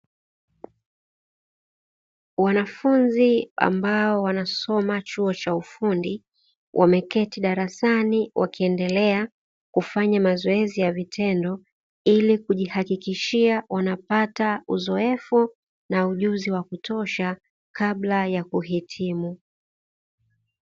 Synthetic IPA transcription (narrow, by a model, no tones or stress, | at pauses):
wanafunzia̰mbaɔwanasɔmat͡ʃuɔt͡ʃaufundi | wʔamɛkɛtiɗaɾasaniwʔa̰kiɛndɛlɛa | kufaɲamazɔɛzijavitʰɛndɔ | ilikuʄihakikiʃiawanapatauzɔɛfu | nauʄuziwakutʰɔʃa | kaɓlajakuɦitʰimu